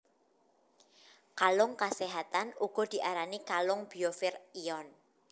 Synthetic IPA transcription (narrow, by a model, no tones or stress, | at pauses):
kalʊŋkaseɦat̪anuɡ̥ɔ̤d̪̥i̤ʔaɾanikalʊŋb̥i̤ofɪriɔn